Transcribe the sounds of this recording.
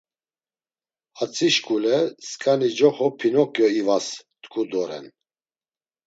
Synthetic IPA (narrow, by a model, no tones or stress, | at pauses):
at͡sʼʰiʃkʼulɛskʼanid͡ʒɔχɔpʰinɔkʼjɔivast̪ʼkʰʼud̪ɔɾɛ̰n